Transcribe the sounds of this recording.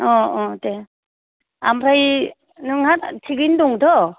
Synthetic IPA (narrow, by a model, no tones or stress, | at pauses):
ɔɔte | amɾaj | nɯŋhattʰiɡinduŋdɔ